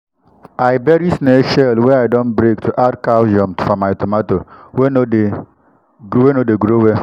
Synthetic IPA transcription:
ajbɛɾisneʃɛlwɛajdɔ̃nbɾektʰuʔadkald͡ʒɔ̃mtfɔmajtɔmatowenode | ɡwenodeɡɾowe

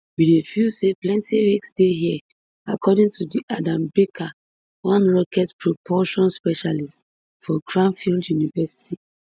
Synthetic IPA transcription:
bidefiseplɛ̃ntiwiksdeɦiɛ | akʰɔdĩŋtʰudiʔadãmbekʰa | wãnɹɔkɛtpʰɹopʰɔʃɔ̃nspɛʃalist | fɔɡɹãmfildjunivɛsi̥ti

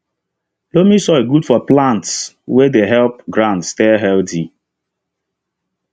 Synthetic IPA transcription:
lomisɔeɡudfɔplãnts | wedeɦɛlpɡɾãntstɛɦɛlti

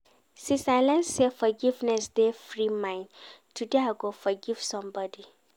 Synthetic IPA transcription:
sĩsaɪlə̃nsefɔɡivnɛsd̪efɾimãɪ̃ntudeaɡofɔɡivsɔ̃mbɔdi

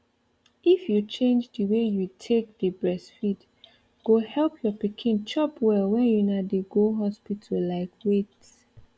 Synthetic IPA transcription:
ifjut͡ʃẽnd͡ʒdəwejutʰek̚d̥əbɹɛsfid | ɡ̥ohɛlpʰjɔpikʰĩnt͡ʃɔpʰwɛlwɛ̃njunadeɡoɦɔspitʰəllaɪkwet

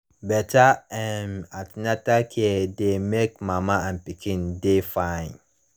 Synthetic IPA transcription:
bɛtʰaɛnatnɛtakʰɛdemek̚mãmããnpikʰĩndefãɪ̃n

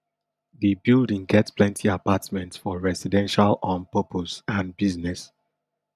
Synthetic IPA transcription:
ðibildĩŋɡɛtsplɛ̃ntʰiapatmɛ̃ntsfɔɹɛsidɛ̃nʃalɔ̃npopʰosãnbiznɛs

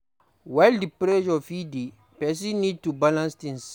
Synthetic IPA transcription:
waɪldipɾed͡ʒɔfidi | pɛs̬inid̚tubalãnstĩns

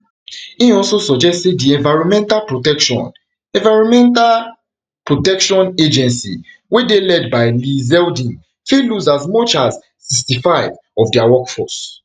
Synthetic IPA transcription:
ĩɔsosɔd͡ʒɛstsediɛ̃nvaɪɹɔ̃mɛ̃ntalpɹotɛkʃɔ̰̃n | ɛ̃vaɪɹɔ̃mɛ̃ntal | pɹotɛkʃɔ̃ned͡ʒɛ̃nsḭ | wedelɛdbaɪlizɛldĩn | filuzazmɔt͡ʃazː | istifaɪv | ɔvdiawɔkfɔs

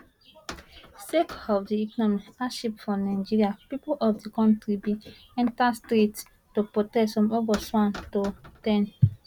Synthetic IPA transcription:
sekɔvdiikɔnɔmiaʃipfɔ̃naɪd͡ʒiɹiapipolʔɔfdikɔ̃ntɾibi | ɛ̃ntastɾet | topotɛsfɔ̃mobaswãntotɛn

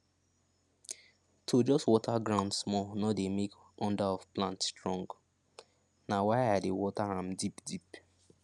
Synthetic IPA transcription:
tʰod͡ʒɔstwɔtʰaɡɹãʊ̃ndsmɔnɔdemek | ɔ̃ndaɔfplãntstɹɔ̃ŋɡ | nawaɪadewɔtaãmdipdip

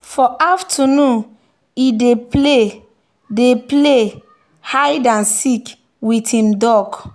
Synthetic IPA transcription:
fɔʔaftʰanũn | ideple | deple | hajdãnsik | witĩmdɔk

